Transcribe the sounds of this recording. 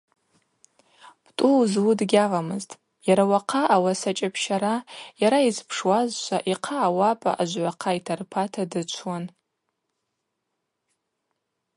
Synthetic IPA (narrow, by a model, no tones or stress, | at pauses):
b̥tʼuzwudɡʲaʁamɨztʼ | jaɾawaqʰaʔawasat͡ʃʼapʰʃaɾajaɾaizpʰʂwazʃʷʰaʔiqʰaːwapʼa̰ʔaʒʷʕʷaqʰaitʰarpʰatʰadɨt͡ʃʷʰwan